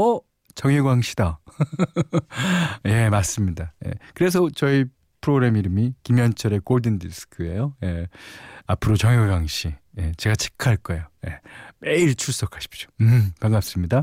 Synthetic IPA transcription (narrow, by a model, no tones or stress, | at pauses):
ʌ | t͡ɕʌŋeɡwaŋɕʰida | je̞mas͈ɯmɲidaje̞̰kɯɾes̬ʰʌt͡ɕʌi | pʰɯɾoɡɾemiɾɯmikimjʌnt͡ɕʰʌɾe̞k͈oɭdɯndisʰɯ̥kʰɯe̞joje̞ | apʰɯɾot͡ɕʌŋeɡwaŋɕʰije̞t͡ɕe̞ɡat͡ɕʰi̥kʰaɭk͈ʌejoje̞meiɭt͡ɕʰuɭs͈okʰaɕʰi̥p̚t͡ɕ͈o̥kaŋɡap̚s͈ɯmɲida